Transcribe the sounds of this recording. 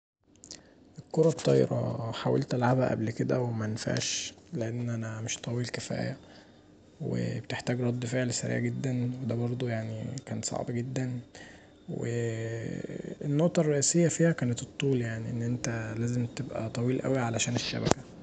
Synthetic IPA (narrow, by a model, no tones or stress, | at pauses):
ʔelkːoɾˤɑt̪ˤːɑːj̰ɾɑ̰ħawæ̰lt̪ʔælʕabæʔæ̰blked̪æwemæenfa̰ʕʃleʔenːʔænæmeʃt̪ˤɑwiːlkefæ̰ːjæ | wḛbet̪eħt̪æːɡɾˤɑd̪ˤːifeʕlsæ̰ɾḭʕɡed̪ːænwed̪æbɑɾˤd̪ˤujaʕnikæːnsˤɑ̰ʕbɡed̪ːæn | wḛ | enːoʔt̪ˤɑrˤːeʔisejːæfiːhækæːnet̪et̪ˤːuːljaʕniʔenːʔent̪ælæːzemt̪ebʔæ̰t̪ˤɑwiːlʔæ̰wiʕalæʃæːneʃːæ̰bækæ